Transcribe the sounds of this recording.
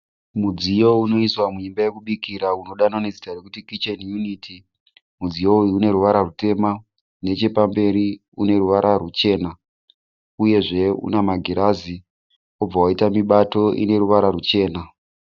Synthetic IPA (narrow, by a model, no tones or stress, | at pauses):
mud͡zijo̞uno̞iswamuimbaje̞kuɓikiɾauno̞ɗanoned͡zitarekutikit͡ʃanjunitʰi | mud͡zijo̞uiune̞ɾuʋaɾarute̞ma | ne̞t͡ʃe̞pambe̞ɾi | une̞ɾuʋaɾʔarut͡ʃe̞ːna | uje̞ʐe̞ṵnamaɡʱiɾazi | ob͡vawaitamiɓato̞ʔḭne̞ɾuʋaɾarut͡ʃe̞ːna